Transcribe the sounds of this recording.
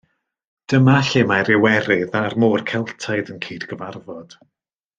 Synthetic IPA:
d̥əmaɬɪmaɾɪwɛɾɪðarmoːrkʰɛlˠtʰajðənkʰiːdɡəvarvɔd̥

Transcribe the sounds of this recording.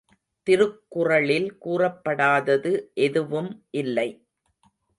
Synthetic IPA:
t̪ɪɾɯkːʊrɐɭɪlkuːrɐpːɐɽaːðɐðɯʔɛðɯʋɯmʔɪlːɐɪ

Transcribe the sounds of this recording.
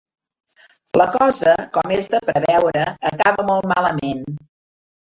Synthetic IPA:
ləkɔzəkɔmezðəpɾəβɛwɾəːkaβəmolˠt̪maləmen

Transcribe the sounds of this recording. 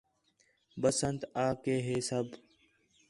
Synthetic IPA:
bəsənt̪aːkeːɦeːsəb

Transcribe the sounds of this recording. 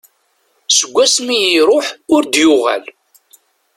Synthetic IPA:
səɡʷːæsmijiɾˤoħʊɾd̪jʊʁæ̰l

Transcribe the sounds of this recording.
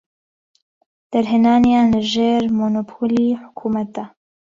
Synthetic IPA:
d̪̥aɾɦɪnɑːnijɑːnʒeːɾmonopʰoːliħʊ̥kʰuːmat̪̚a

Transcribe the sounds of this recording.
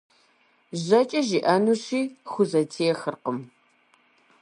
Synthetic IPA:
ʑɐt͡ʃʼɐʒiʔɐnuːɕiːxʷʊzɐtʰejɛxɨrqəm

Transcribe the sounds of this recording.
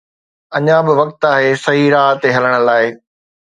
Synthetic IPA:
ɐɲãbɪʋɐk̚t̪aːɦesɐɦiɾaːɦt̪eɦɐləɽ̃ə̆laːɪ

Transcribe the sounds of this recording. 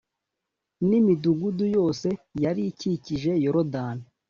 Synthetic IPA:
nimiduɡudujo̞ːse̞jaɾiciciʒe̞joɾodaːni

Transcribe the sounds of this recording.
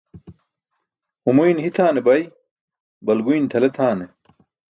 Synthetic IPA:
umujnɦit̪ʰaːnebɐj | bɐlɡujnt̪ʰɐlet̪ʰaːne

